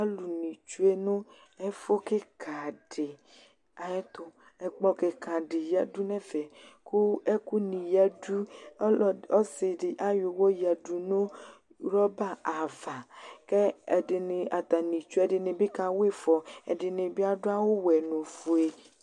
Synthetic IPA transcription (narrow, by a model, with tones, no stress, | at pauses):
a˦lu˨nĩ˨t͡ʃu˦e˦nʊ̃˦ | ɛ˦fo˦ke˦kʰa˨dɪ˨ | a˨ɛ˦t̪ʊ˦ | ɛ˨k͡pɔ˦ke˨ka˨ɖɪ˨ja˦du˦nɛ˦fɛ˨ku˦ɛ˦ku˦nĩ˨ja˦du˦ | ɔ˦sɪ˨dɪ˨ʔa˦jo˨wɔ˦ja˨du˨nũ˦ | ɾɔ˦ba˦˨a˨va˨kɛ˦ɛ˨dɪ˨nɪ˨a˨t̪a˨nĩ˨t͡ʃu˦ɛ˨dɪ˨nɪ˨bɪ˦ka˨we˦fɔ˨ɛ˨dɪ˨ne˨bɪ˦a˦dʊ˦a˦wo˦wɛ˨no˨fu˨e˨